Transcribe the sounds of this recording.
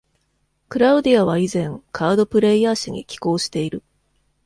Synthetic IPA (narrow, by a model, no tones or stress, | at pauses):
kɯ̟ɾaɯ̟d̪iaβ̞aizẽ̞ŋkʰaːd̪o̞pɯ̟ɾe̞iaːɕaɲ̟ḭkʲi̥ko̞ːɕi̥t̪e̞iɾɯ̟